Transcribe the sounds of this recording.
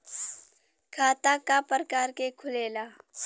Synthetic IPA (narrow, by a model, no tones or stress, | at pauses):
kʰaːt̪akapəɾəkaːɾkekʰʊleːlaː